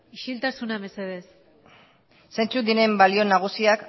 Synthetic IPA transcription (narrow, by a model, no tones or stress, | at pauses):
iʃilt̪asunaβe̞se̞ð̞e̞s | se̞nt͡sud̪ine̞mbalio̞naɣ̞usiak